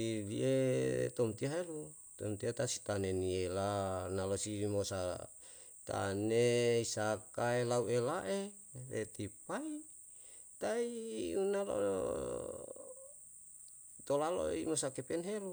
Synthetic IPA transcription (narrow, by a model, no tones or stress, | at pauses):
iliet̪omt̪iaɦelu | t̪omt̪iat̪asit̪anenielanalosimosa | t̪a̰neisakaelauelaʔe | rḛt̪ipai | t̪aiunalo̰ | t̪olalo̰ḭmosakepɛnɦelu